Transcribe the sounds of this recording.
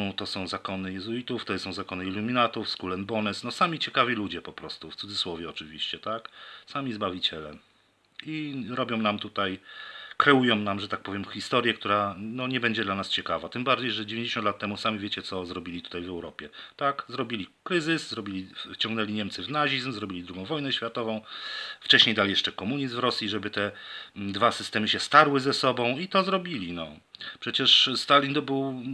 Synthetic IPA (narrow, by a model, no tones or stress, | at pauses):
t̪ɔsɔ̃w̃zakɔnɘjɛzuit̪uft̪ɔsɔ̃w̃zakɔnɘilumʲinat̪ufskulɛnbɔnɛsnɔsamʲit͡ɕɛkavʲilud͡ʑɛpɔpɾɔst̪uft̪sud̪zɘswɔvʲjɛɔt͡ʂɘvʲḭɕt͡ɕɛt̪aksamʲizbavʲit͡ɕɛlɛ̰ | iɾɔbʲjɔ̃w̃namt̪ut̪ajkɾɛujɔ̃w̃namʐɛt̪ak̚pɔvʲjɛmxʲist̪ɔɾʲjɛkt̪uɾanɔɲɛbɛɲd͡ʑɛd̪lanast͡ɕɛkavat̪ɘmbaɾd͡ʑejʐɛd͡ʑevʲẽɲd͡ʑeɕɔnt̪lat̪ːɛmusamʲivʲjet͡ɕɛt̪sɔzɾɔbʲilʲit̪u̥t̪ajvɛwɾɔpʲjɛt̪akzɾɔbʲilʲikɾɘzɘszɾɔbʲilʲit͡ɕɔ̃ŋɡnɛlʲiɲɛmt̪sɘvnaʑizmzɾɔbʲilʲid̪ɾuɡɔ̃w̃vɔjnɛɕfʲjat̪ɔvɔ̃w̃ft͡ʂɛɕɲejd̪alʲijɛʂt͡ʂɛkɔmuɲiszt̪vɾɔsʲjiʐɛbɘt̪ɛd̪vasɘst̪ɛmɘɕɛst̪aɾwɘzɛsɔbɔ̃w̃it̪ɔzɾɔbʲilʲinɔ̰ | pʂɛt͡ɕɛʂst̪alʲind̪bɘw